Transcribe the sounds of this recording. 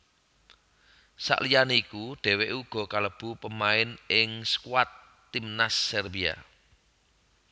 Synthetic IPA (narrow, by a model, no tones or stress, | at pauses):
sa̰ʔlijaneikuɖ̥ɛ̤wɛʔuɡ̥ɔ̤kaləb̥ṳpəmaɪnɪŋsə̥kuwat̪ː | imnasːɛrbia̰